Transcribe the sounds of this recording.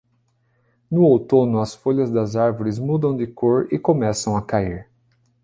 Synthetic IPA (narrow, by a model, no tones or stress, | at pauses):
nʊowt̪õnʊɐsfoʎɐzd̪ɐzaɾvoɾɪzmud̪ɐ̃w̃d̪ɪkʰoɾɪkomɛsɐ̃w̃ɐkaiɾ